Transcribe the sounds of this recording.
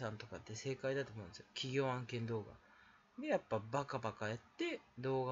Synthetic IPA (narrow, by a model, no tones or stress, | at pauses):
sãnt̪o̞kat̪ːe̞se̞ːkaid̪at̪omõnd̪esjokʲiɡʲo̞ːãŋkẽ̞nd̪o̞ːɡa̰ | d̪ejapːabakabakajat̪ːe̞d̪o̞ːɡa